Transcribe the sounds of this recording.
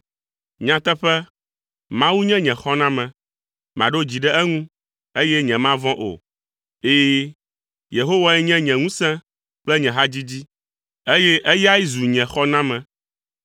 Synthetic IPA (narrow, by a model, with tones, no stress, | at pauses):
ɲã˨t̪ɛ˦ɸɛ˦ | mã˦wu˦ɲɛ̃˦ɲɛ̃˨xɔ˦nã˦mɛ̃˨ | mã̰˨ɖo˦d͡ʑi˨ɖɛ˦ɛ˦ŋũ˦ | e˦jɛ˦ɲɛ̃˨mã˦vɔ̃˦ʔo̰˨ | eː˦ | je˨ɦo˦wa˦ɛ˦ɲɛ̃˦ɲɛ̃˨ŋũ˦sɛ̃˦ | k͡plɛ˦ɲɛ̃˨ɦa˦d͡ʑi˦d͡ʑi˦ | e˦jɛ˦ʔe˦ji˦a˦ji˦zu˨ɲɛ̃˨xɔ˦nã˦mɛ̃˨